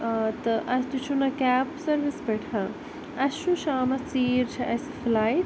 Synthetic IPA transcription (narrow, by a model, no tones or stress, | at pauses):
t̪ɨʔɐst̪ut͡ʃʰunɐkʲaːpsɐɾʋisbɐʈʰã | ɐʃũʃaːmɐt͡siːɾt͡ʃʰɐʔɐsiflaːiʈ̚